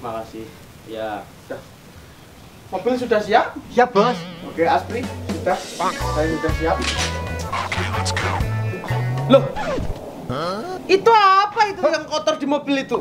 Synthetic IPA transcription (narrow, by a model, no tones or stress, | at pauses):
makasɪh | jasud̥ah | mob̥ɪlsudahsiap̚abasokeaspɾisud̥ahsajisudahsiap̚ | asiai | loh | it̪uapait̪ujaŋkɔt̪ɔrd̪̥i̤mobɪlit̪u